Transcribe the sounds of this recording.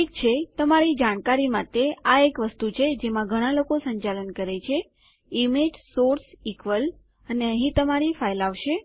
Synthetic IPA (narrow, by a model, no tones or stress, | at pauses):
ʈʰik̚t͡ʃʰet̪əmaɾid͡ʒaɽ̃kaɾimat̪eaekʋəst̪ut͡ʃʰed͡ʒemãɡʱəɽ̃alokosəɲt͡ʃalənkəɾet͡ʃʰe | imed͡ʒsoɾsikʋəl | əneəɦĩt̪əmaɾifajlaʋʃe